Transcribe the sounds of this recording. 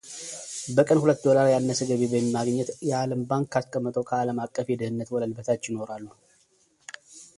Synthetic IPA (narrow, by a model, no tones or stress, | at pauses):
bəkʼənhulət̪ːd̪o̞laɾjanːəsəɡəβebəmmːaɡɲːɛt̪jɛaləmbaŋkʰːaskʼəmːət̪ʰʼowkʰəaləmakʼːəfjɛd̪ɨhɨnːət̪wɔləlbət̪ʰat͡ʃːjɪno̞ɾalːu